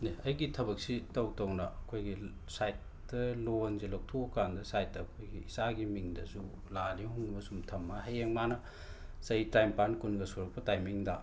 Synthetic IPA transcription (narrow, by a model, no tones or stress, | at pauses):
neɐjɡitʰɐbɐk̚sitɐwtɐwnɐɐkʰojɡi | sajt̚ | dɐlonzelok̚tʰokːandɐsajt̚dɐːkʰojɡiisaɡimiŋdɐsu | lalihuŋmɐsumtʰɐmːɐɦɐjeŋmanɐ | sɐitajmpankunɡɐsuɾɐk̚pɐtajmiŋdɐ